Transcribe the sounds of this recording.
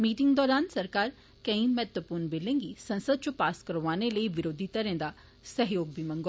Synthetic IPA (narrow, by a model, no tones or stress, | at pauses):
miːʈɪ̃ŋɡd̪ɔːɾaːnsɐɾkaːɾ | kɐ̃ĩmɛːt̪ʋəpuːɾnbɪlẽːŋɡisɐ̃nsəd̪̚t͡ʃõpaːskəɾʋaːneləiʋɪɾoːd̪ʱit̪ɐɾẽːd̪a | səɦjoːɡ̚bimə̃ŋɡo